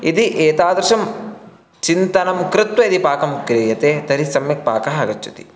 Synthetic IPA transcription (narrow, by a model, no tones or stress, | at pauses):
id̪iʔeːt̪aːd̪ɾɐʃɐm | t͡ʃint̪ɐnɐmkɾɪt̪wɐid̪ipaːkɐmkɾeːjɐt̪eːt̪ɐɾisɐmjɐk̚pa̰ːkɐɦaːɡɐt͡ʃːut̪i̥̰